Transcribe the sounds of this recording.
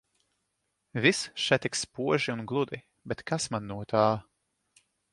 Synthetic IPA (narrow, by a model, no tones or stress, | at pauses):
visʃɛt̪ikspuɔʒiunɡlˠud̪i | bɛt̪kasmanːuɔt̪aː